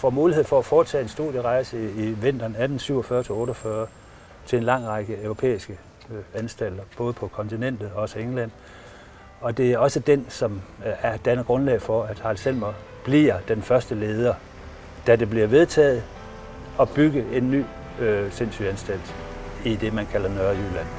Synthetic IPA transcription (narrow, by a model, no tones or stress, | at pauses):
fɒmuːlihe̝ð̰ˠfɒ̽æfɒːt͡sʰɛ̰ːe̝nsd̥uð̰ˠjəʁɑ̈ɪsəiʋe̝n̰d̥ɐːnæd̥n̩syʊ̰ɒfɶɐt͡sʰe̝lɔ̽ːɾɒfɶːɐ | t͡sʰe̝e̝nlɑ̈ŋ̰ʁɑ̈ɡ̥əøʊʁo̝pʰḛːisɡ̥ə | ænsd̥æl̰d̥ɐb̥ɔ̽ːð̩ˠpʰɒ̽kʰɒ̽nt͡sʰinen̰d̥ð̞̩ˠɒɒ̽səeŋlæn̰ | ɒ̽d̥e̝æɐɒ̽səd̥ensɒ̽mæɐd̥ænɐɡ̥ʁɔ̽nlɛ̰ɪfɒ̽æd̥hɑ̈lsel̰mɐb̥liɐd̥enfɶɐsd̥əle̝ːð̞ˠɐ | d̥æde̝b̥liɐʋe̝ð̞ˠt͡sʰɛ̰ːð̩ˠ | ɒ̽b̥yɡəe̝nːy̰ː | sen̰sy̰ænsd̥æl̰d̥id̥e̝mænkʰælɐnɶɐjylæn̰